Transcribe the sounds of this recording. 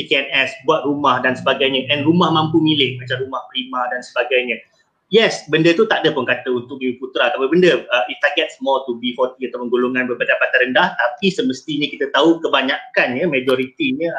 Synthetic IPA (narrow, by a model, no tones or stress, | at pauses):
ikeɛnɛsbuat̪̚rumahdansəbaɡajɲə̃ʔɛnrumahmãmpumilɪhmat͡ʃamɾumahpɾimãdansəbaɡajɲə̃ | jɛsbəndət̪ut̪aʔdəpunkat̪əunt̪ʊk̚miuput̪ɾak̪awabəndəəift̪aɡɛt̪̚smɔlt̪ubifɔt̪iat̪awpənɡoloŋanbərbadajpat̪aɾəndaht̪apisəməst̪iɲəkit̪ət̪aukəbaɲakanjəmad͡ʒɔɾit̪iɲə̃